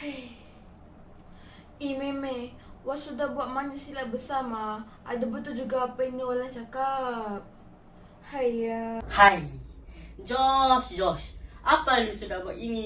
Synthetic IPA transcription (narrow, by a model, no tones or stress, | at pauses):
haj | imeme | wasudahbuaʔ̪̚maɲisilabəsama | ʔa̰dabət̪ud͡ʒuɡaːpainiolaŋt͡ʃakap̚ | hajhaj | d͡ʒɔsd͡ʒɔsapanisudabuaʔiŋi